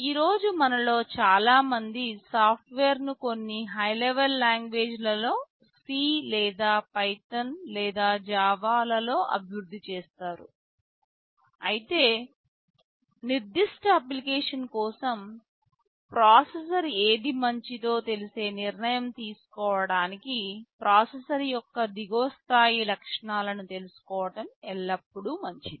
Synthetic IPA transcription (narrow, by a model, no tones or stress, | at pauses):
iːɾo̞ːd͡ʒumɐnɐlo̞ːt͡ʃaːlaːmɐnd̪isaːpʰʈʋeːɾnukonːiɦɐjleʋɐlːaːŋɡʋe̞ːd͡ʒlɐlo̞ː | siːlɛːd̪aːpɐjʈɐnlɛːd̪aːd͡ʒaːʋaːlɐlo̞ːʔɐ̰bʱjɾud̪ʱːit͡ʃeːst̪aːɾṵ | ɐjit̪e̞ː | niɾd̪iʂʈɐɐplikeːʂɐnkɔːsɐm | pɾaːses̬ɐɾeːd̪imɐɲt͡ʃit̪o̞ːt̪e̞lise̞ːniɾnɐjɐmt̪iːsu̥kɔːʋɐɽaːnikipɾʔaːsesɐɾjɔkːɐd̪iɡoːst̪ʰaːjilɐkʂɐɳaːlɐnut̪e̞lusu̥kɔːʋɐʈɐmɛɭːɐpːuɽumɐɲt͡ʃi